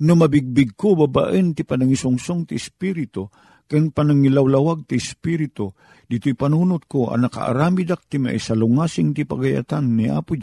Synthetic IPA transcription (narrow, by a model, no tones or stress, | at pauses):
nʊmabiɡ̚bɪɡ̚kobaba̰ʔənt̪ɪpanaŋisʊŋsʊŋt̪ɪɪspiɾɪt̪o | kɨnpanaŋilawlawaɡ̚t̪ɪɪspiɾɪt̪o | d̪ɪt̪ʊjpanunʊt̪̚koa̰naka̰ʔa̰ɾaːmid̪ak̚t̪ima̰ʔḭsalʊŋasɪŋt̪ɪpa̰ɡaja̰t̪anːiʔa̰ːpʊd͡ʒ